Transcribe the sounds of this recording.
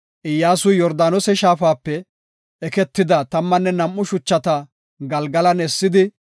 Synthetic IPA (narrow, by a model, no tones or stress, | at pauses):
ʔɪjːaːsʊjɔɾd̪aːnɔsɛʃaːfaːpːɛ | ʔɛkɛt̪ːɪd̪ɐt̪ɐmːɐnːɛnɐmːʊʃʊt͡ʃːɐt̪ɐ | ɡɐlɡɐlɐnɛsːɪd̪ɪ